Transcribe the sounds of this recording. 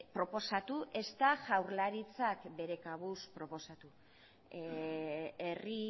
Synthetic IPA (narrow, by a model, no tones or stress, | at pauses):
pɾo̞po̞sat̪uʔe̞st̪aʝawɾlaɾit͡sakbe̞ɾe̞kaβuspɾo̞po̞sat̪u | eri